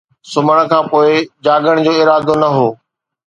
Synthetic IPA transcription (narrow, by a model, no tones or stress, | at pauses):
sʊməɽ̃kʰãːpoːɪd͡ʑaːɡəɽ̃d͡ʑoːɪɾaːd̪onɐɦoː